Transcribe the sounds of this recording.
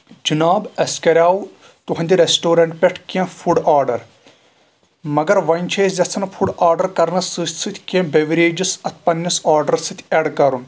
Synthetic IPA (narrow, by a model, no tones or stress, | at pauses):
d͡ʒinaːbɐskɐɾʲaːwu | t̪uɦɐ̃nd̪iɾesʈoːɾɐɳʈpʲeʈʰkẽfʰuɖaːɾɖɐɾ | mɐɡɐɾʋɐnʲt͡ʃʰeːszʲɐt͡sʰɐnfʰuɖaːɾɖɐɾkɐɾnɐsɨːsʲsɨt̪ʰʲkẽbeʋiɾeːd͡ʒisɐt̪ʰpɐnːisaːɾɖɐɾsɨt̪ʲʰɐɖkɐɾun